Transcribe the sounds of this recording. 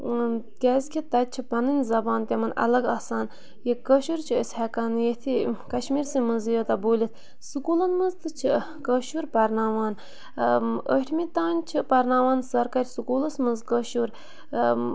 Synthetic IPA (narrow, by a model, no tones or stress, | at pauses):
kʲɛzʲkʰʲit̪ɐt͡ʃʰɨpɐnɨnʲzɐbaːnt̪ʲɐmɐnʔɐ̰lɐɡaːsaːn | jekəʃuɾt͡ʃʰiəsʲhɛkaːnjet̪ʰikɐʃmiːɾsimɨzjot̪ɐboːlʲit̪̚ʰ | sɨkulɐnmɨzt̪ɨt͡ʃʰɨ | kəʃuɾpɐɾnaːʋaːn | ə̰ʈʰmit̪aːnʲt͡ʃʰɨpɐɾnaːʋaːnsɐɾkɐɾʲsukuːlɐsmɨzkəʃuɾ